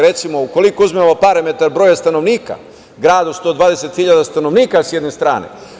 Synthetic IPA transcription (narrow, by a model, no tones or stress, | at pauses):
ɾe̞t̪simo̞uko̞likouzmemopaɾamet̪aɾbɾoːjast̪ano̞ʋniːka̰ | ɡɾaːd̪ost̪o̞ːd̪ʋaːd̪ese̞t̪xiʎad̪ast̪ano̞ʋniːkasjed̪nest̪ɾa̰ːnḛ